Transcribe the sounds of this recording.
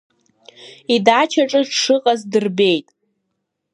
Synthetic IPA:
idat͡ʃʰaʈ͡ʂʼɨʂɨqʼazdɨrbe̞jtʼ

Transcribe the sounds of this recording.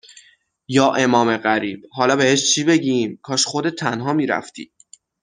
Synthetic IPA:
jɒːʔe̞mɒːme̞ɢæɾiːb̥hɒːlɒːbe̞he̞ʃt͡ʃʰiːbe̞ɟimkʰɒːʃχod̪et̪ʰːænɦɒːmiːɾæ̰ft̪ʰḭː

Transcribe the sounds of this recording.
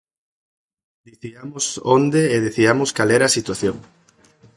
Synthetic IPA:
d̪iθiamosond̪eeðeθiamoskalɛɾaːsit̪waθjoŋ

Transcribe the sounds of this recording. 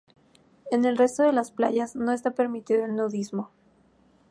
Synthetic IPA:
e̞ne̞lre̞st̪o̞ðe̞laspla̰ʝazno̞est̪ape̞ɾmit̪iðoelnowðizmo̞

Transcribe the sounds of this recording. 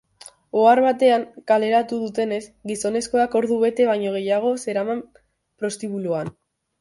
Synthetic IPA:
oaɾβat̪e̞aŋkale̞ɾat̪uð̞ut̪e̞ne̞sɡiso̞ne̞sko̞ako̞ɾðuβe̞t̪e̞βajɲo̞ɣ̞e̞jaɣ̞o̞se̞ɾamam | pɾo̞st̪iβuluan

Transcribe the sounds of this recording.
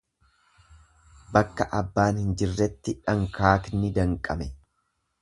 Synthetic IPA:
bɐkːɐʔɐbːaːnhɪnd͡ʒɪrːɛt̪ːɪᶑɐŋkaːknɪd̪ɐŋkʼɐmɛ

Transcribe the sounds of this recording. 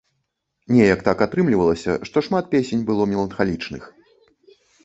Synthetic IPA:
nʲɛjɐkt̪akat̪ɾɨmlʲivɐlˠɐsʲɐ̰ʂt̪ɔʂmat̪̚pʲesʲenʲbɨlˠɔmʲɛlˠɐnxalʲit͡ʂnɨ̰x

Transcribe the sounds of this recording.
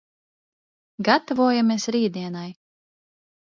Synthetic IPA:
ɡat̪avuɔjamiɛsɾiːd̪iɛnaj

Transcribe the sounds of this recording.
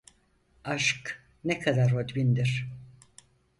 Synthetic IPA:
aʃk | nɛkʰad̪aɾod̪bind̪iɾ̥

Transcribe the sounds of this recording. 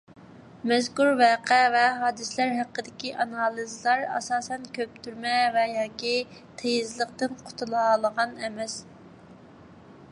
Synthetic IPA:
mɛzkuɾvɛqʰɛvɛɦɑːd̪ɨslæɾɦæqːəd̪ɪkʲiʔɑnɑlˠizlˠɑɾɑ̰sɑːsɛnkʲʰøp̚t̪ʰyɾmɛvɛjɑːkʲit̪ʰejizlˠəq̚t̪ɨnqʰʊ̥t̪ʰulˠɑlˠəʁɑnɛmɛs

